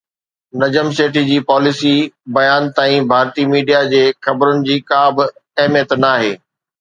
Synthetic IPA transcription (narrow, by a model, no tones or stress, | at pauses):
nɐd͡ʑəmseːʈid͡ʑiːpɔːlɪsibɐjaːnt̪aːĩbʱaːɾt̪imiːɖijad͡ʑeːxɐbɾʊnɪ̆d͡ʑiːkaːbɪɐɦɪmijət̪naːɦḛː